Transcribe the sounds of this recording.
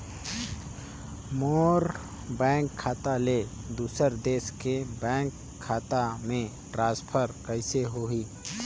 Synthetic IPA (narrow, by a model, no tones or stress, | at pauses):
moːɾ | bɛ̃ːŋkʰːaːt̪aled̪uːsəɾd̪eːʃkebɛ̃ːŋkʰːaːt̪amẽ | ʈɾãːspʰəɾkəɪseɦoiː